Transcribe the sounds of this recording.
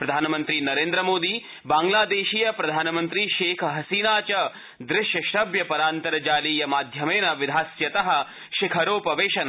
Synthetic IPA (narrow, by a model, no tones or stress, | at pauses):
pɾɐd̪ʱaːnɐmɐnt̪ɾinɐɾeːnd̪ɾɐmoːd̪iː | baːŋɡlaːd̪eːʃiːjɐpɾɐd̪ʱaːnɐmɐnt̪ɾiʃeːkʰɦɐsiːnaːt͡ʃɐ | d̪ɾɪʃjɐʃɾɐbjɐpɐɾaːnt̪ɐɾɐd͡ʒaːliːjɐmaːd̪ʱjɐmeːnɐʋɪd̪ʱaːsjɐt̪ɐɦɐ̆ | ʃɪkʰɐɾoːpɐʋeːʃɐnɐ